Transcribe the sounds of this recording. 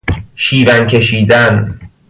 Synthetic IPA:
ʃiːɾæŋkʰe̞ʃiːd̪æn

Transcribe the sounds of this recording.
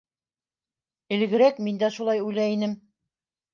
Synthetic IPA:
ɘ̆lɡɘ̆ɾækmind̪æʃulˠɑjujlæinɘm

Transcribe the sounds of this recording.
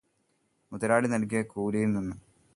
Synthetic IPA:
muðɐɾaːɽinɐlk̬ːijɐkuːlɐjilninːɨ

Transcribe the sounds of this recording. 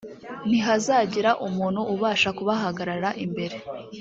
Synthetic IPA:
n̥iɦazaːɟiɾaʔumuːn̥huʔːβaːʃakuβaɦaɡaɾaɾaʔimbe̞ɾe̞

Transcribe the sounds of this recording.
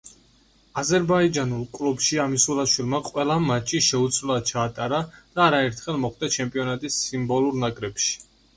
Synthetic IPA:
azɛɾbaid͡ʒanulˠkʼlˠubʃiamisulaʃwilˠmaqʼwɛlˠamat͡ʃʰːiʃɛut̪sʰvlad̪̚t͡ʃʰaːt̪ʼaɾad̪̥aːɾaɛɾt̪ʰχɛlˠmɔχd̪ɛt͡ʃʰɛmpʼiɔnat̪ʼisːimbɔlˠuɾnakʼɾɛpʃi̥

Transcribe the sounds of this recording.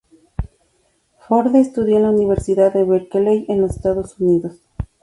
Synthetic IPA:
foɾðeest̪uðjoenlauniβ̞eɾsiðaðeβeɾkelejenlose̥st̪aðosuniðos

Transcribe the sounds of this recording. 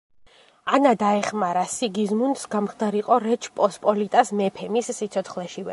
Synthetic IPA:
anad̪aɛχmaɾasiɡizmunsɡamχd̪aɾiqʼɔɾɛt͡ʃʰpʼɔspʼɔlit̪ʼasmɛpʰɛmisːit̪sʰɔt̪sχlɛʃivɛ̰

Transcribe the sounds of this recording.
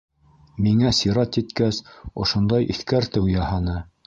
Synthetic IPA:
miŋæsiɾɑt̪jit̪kæsŏ̰ʃŏnd̪ɑjʔḭθkæɾt̪ɘwjɑhɑnɤ

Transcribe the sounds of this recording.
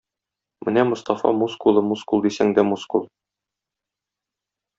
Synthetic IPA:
mɘ̰næmŏst̪ɑfɑ̰muskulˠɤmuskulˠd̪isæŋd̪æmuskulˠ

